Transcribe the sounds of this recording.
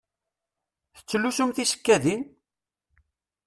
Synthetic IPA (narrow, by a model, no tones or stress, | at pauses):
θə̥t͡sːlːusumθisə̥kːæðin